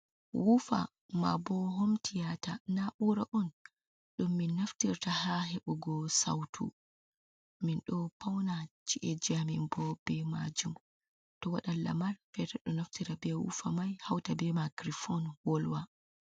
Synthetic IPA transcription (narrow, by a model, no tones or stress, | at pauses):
wufa̰ | ma̰bɔɦomtʰijatanaɓuɾaʔɔn | ɗumːinːaftiɾtahaɦɛɓɔɡɔsa̰wtʰṵ | minɗɔpawnat͡ʃiʔɛd͡ʒamimbɔbɛmad͡ʒum | tɔwaɗalːa̰malfɛtaɗɔnaftiɾabɛwṵfamajhawtabɛmaɡɾifɔnwɔlwa